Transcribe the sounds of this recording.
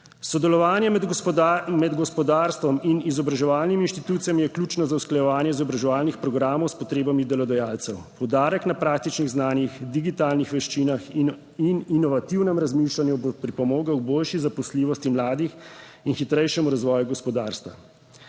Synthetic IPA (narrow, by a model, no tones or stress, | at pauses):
sɔd̪ɛlɔʋaːnjɛ | mɛd̪ɡɔspɔd̪aːɾst̪ʋɔminizɔbɾaʒɛʋaːlniminʃt̪it̪uːt̪sijɛmjɛklʲuːt͡ʃnɔzawsklajɛʋaːnjɛizɔbɾaʒɛʋaːlnixpɾɔɡɾaːmɔwspɔt̪ɾeːbamid̪ɛlɔd̪ɛjaːlt̪sɛwpɔwd̪aːɾɛknapɾaːk̚t̪it͡ʃniɣznaːnjixd̪iɡit̪aːlnixʋɛʃt͡ʃiːnax | ininɔʋat̪iwnɛmɾazmiːʃlanjubopɾipɔmoːɡawboːlʃizapɔsliːʋɔst̪imlaːd̪ix | inxit̪ɾɛjʃɛmuɾazʋɔːjuɡɔspɔd̪aːɾst̪ʋa̰